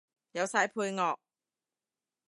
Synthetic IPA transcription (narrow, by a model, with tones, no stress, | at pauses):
jɐ˨˧wsaː˧˥jpʰuː˧jŋɔː˨k̚